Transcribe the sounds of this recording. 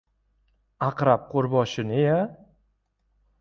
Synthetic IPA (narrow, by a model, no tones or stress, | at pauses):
aqɾap̚qʰoɾbɒʃɪnɪja